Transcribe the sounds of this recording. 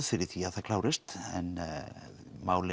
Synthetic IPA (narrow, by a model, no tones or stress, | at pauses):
fɪɾɪθiaθakʰlaːwɾɪst̪ɛ̰n | mawlɪ